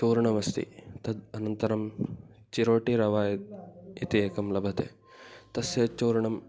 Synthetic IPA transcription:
t͡ʃoːɾɐɳɐʋɐst̪ḭt̪ɐd̪ɐnɐnt̪ɐɾɐm | t͡ʃiɾoːʈiɾɐʋaːjɐt̪̚ḭt̪ieːkɐmlɐbʱɐt̪ḛː | t̪ɐsjɐt͡ʃoːɾɐɳɐm

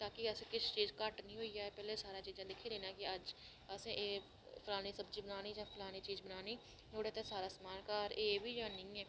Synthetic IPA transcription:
t̪aːkiɛsẽkɪst͡ʃiːzkaːʈnĩɦoːijaɛpɛːlesaːɾat͡ʃiːzãd̪ɪkʰid̪eːnakiɐd͡ʒ | əsẽʔeː | pʰʊlaːnisəbd͡ʒibənaːnid͡ʒãːpʰʊlaːnit͡ʃiːzbənaːni | ɦoːɽeːt̪esaːɾasmaːlkaɾeːbʱijanɐĩɛː

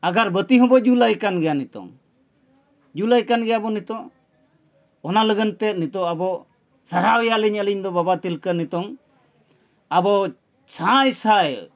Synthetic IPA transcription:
aɡaɾbət̪iɦɔ̃bɔd͡ʒulajkanɡɛjanit̪ɔ̰ŋ | d͡ʒulajkanɡɛjabɔnit̪ɔ̃ʔ | ɔnaləɡənt̪ɛnit̪ɔabɔ | saɾawɛjaliɲəliɲd̪ɔbabat̪ilkənit̪ɔŋ | abɔ | t͡ʃʰãjsaj

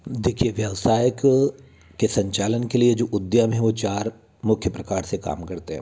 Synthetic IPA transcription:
d̪eːkʰieʋjɐʋsaːjəkː | esɐ̃ɲt͡ʃaːlənkelied͡ʒoːʔʊd̪jamẽɦɛ̃ʋot͡ʃaːɾ | mʊkʰjəpɾɐkaːɾseka̰ːmkɐɾt̪eɦɛ̰̃ː

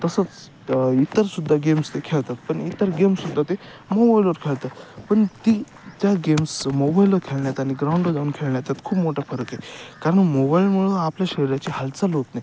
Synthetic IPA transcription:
t̪əsət͡s | it̪əɾsud̪ʱːaɡemst̪ekʰeɭt̪at̪̚pəɳit̪əɾɡemsud̪ʱːat̪e | mobailəɾkʰeɭt̪at̪pəɳt̪iː | t̪jaɡemsmobailəɾkʰelɳjat̪aɽ̃iɡɾauɳɖəd͡zauːnkʰeɭɳjat̪at̪kʰuːpmoʈafəɾəkɦekaɾəɳmobailm̤əɭũapljaɕəɾiɾjat͡ɕiɦalt͡saloknaj

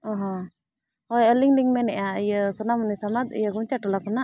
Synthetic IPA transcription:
ɔɦɔ̃ | ɔjɔliŋliŋmɛnɛʔjaijəsɔnamunisamad̪ḭjəɡumt͡ʃaʈulakuna

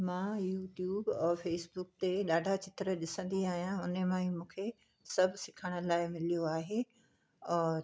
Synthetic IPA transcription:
mãːjuːʈjuːbːfeːsbʊk̚t̪eɗaːɖʱat͡ɕɪt̪ɾəɗɪsə̃nd̪iaːɦijãʊnəmãːĩmũːkʰe | sɐbʱsɪkʰəɽ̃ə̆laːɪmɪlijoaːɦeː | ɛ̃ː

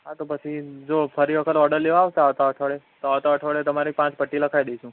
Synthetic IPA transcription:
ɦat̪opət͡ʃʰid͡ʒofʰəɾiʋəkʰət̪ɔɾɖəɾleʋaʋt̪aɦət̪aɦəʈʰəɭet̪oɦət̪aɦəʈʰəɭet̪əmaɾik̚pãt͡ʃpəʈːiləkʰajd̪et͡ʃʰũ

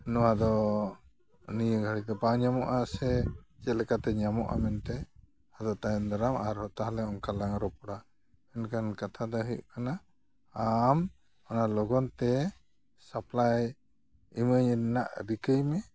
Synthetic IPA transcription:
nɔwad̪ɔ | nijəɡʱaɽit̪ɛpãɲamɔʔasɛt͡ʃɛlɛkat̪ɛɲamɔʔa̰mɛnt̪ɛ | had̪ɔt̪ajɛnd̪aɾamaɾhɔt̪aɦlɛɔŋkalaŋɾɔpɔɽa | ɛnkankat̪ʰad̪ɔɦəjʔkanaː | m | ɔnalɔɡɔnt̪ɛ | saplaj | iməɲna̰ʔɾikəjmɛ

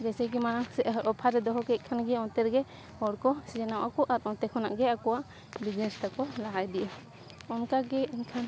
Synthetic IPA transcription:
d͡ʒɛsɛkɛmaɾaŋsɛɾɔpʰaɾɛd̪ɔɦɔkɛc̚kʰanɡɛɔnt̪ɛɾɡɛ | hɔɾkɔsid͡ʒɛnawʔakɔʔaɾɔnt̪ɛkʰɔnaʔɡɛakɔwaʔ | bid͡ʒnɛnst̪akɔlaɦajd̪iʔə | ɔnkaɡɛiɲkʰan

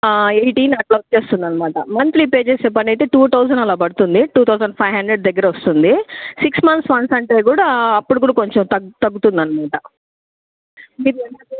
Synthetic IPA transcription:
ejʈiːnɐʈlɐwt̚t͡ʃe̞ːst̪und̪ɐnːɐmaːʈɐmɐnt̪lipe̞ːd͡ʒeːseːp̬ɐnɐjt̪eːʈuːt̪ʰɐwsɐnɐlaːbɐɽut̪und̪iʈuːt̪ʰɐwsɐɳɖpʰɐjɦɐɳɖɾeɖd̪ɐɡːɐɾɐʋost̪und̪isiksmɐnt̪sʋɐnsɐɳʈe̞ːɡuːɽaːɐpːuɽukuːɽɐko̞ɲt͡ʃomt̪ɐt̪ɐɡːut̪und̪ɐnːɐmaːʈɐ | mid̪iɛnɐ

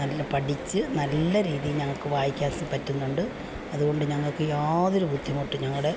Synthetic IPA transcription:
ɐlːɐpɐʈʰit͡ɕːɨnɐlːɐɾiːðijilɲɐŋːɐɭkɨʋaːjikʲːaːsɐpɐtːunːuɳɖɨ | ɐðuɣo̞ɳɖɨɲɐŋːɐɭkɨaːðo̞ɾubʱud̪ʱːjɐmoʈːɨɲɐŋːɐɭɽe̞

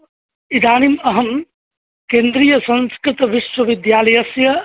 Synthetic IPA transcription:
id̪aːnimɐɦəm | kẽːnd̪ɾijəsɐ̃nskɾɪt̪ʋɪʃʋɐʋɪd̪jaːlɐjɐsjɐ

